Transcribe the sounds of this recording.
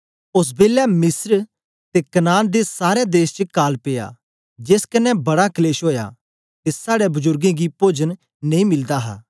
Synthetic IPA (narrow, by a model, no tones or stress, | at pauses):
ʊs̬beːlɛmɪsɾ | t̪ekɐnaːnd̪esaːɾed̪eːst͡ʃəkaːlpeja̰ː | d͡ʒeskɐnːɛbɐɽakɐleːʃɦoːja̰ | t̪esaːɽɛbʊzʊɾɡẽɡipoːd͡ʒən | neĩmɪld̪aɦa̰ː